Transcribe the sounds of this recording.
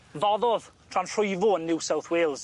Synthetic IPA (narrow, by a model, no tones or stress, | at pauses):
vɔðɔðtʰranʰr̥ʊjvɔənːɪwsawθweːlˠz̥